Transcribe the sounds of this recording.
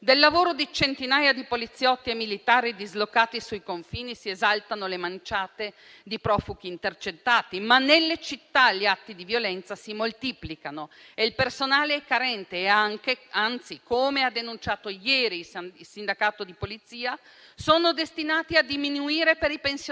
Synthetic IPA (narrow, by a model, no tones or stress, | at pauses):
d̪elːavoːɾod̪it͡ʃent̪inaːjad̪ipolit̪sːjɔt̪ːiemilit̪aːɾid̪izlokːaːt̪isujkoɱfiːnisiezalt̪anolemant͡ʃaːt̪e | d̪ipɾɔːfuɡiːnt̪ert͡ʃet̪ːaːt̪imanːelːet͡ʃit̪ːaʎːiat̪ːid̪ivjolɛnt̪sasimolt̪iːplikanoeilpersonaːleɛkːaɾɛnt̪eaŋkeant̪sikomead̪enunt͡ʃaːt̪ojɛːɾillsind̪akaːt̪od̪ipolit̪siːa | soːnod̪est̪inaːt̪iad̪iminuiːɾepeɾipens